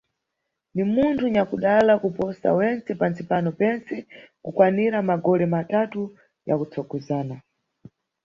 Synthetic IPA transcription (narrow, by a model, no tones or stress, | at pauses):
nimuntʰuɲakuɗalakupɔsa̰wɛnt͡sɛpant͡sipanɔpɛnt͡sɛkukwaniɾamaɡɔɾɛmatatu | ja̰kut͡sʰɔɡɔzaːna